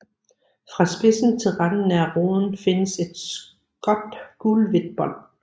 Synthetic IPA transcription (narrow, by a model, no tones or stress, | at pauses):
fʁɑ̈sb̥e̝sn̩t͡sʰe̝lʁɑd̥n̩æʁo̝ːðˠn̩fe̝nəse̝d̥s | ɡ̥ɒ̽d̥ɡ̥uːlʋe̝d̥̚b̥ɒ̽l̰